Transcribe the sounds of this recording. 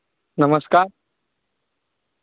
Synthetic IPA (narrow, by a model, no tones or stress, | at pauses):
nɐməskaːɾ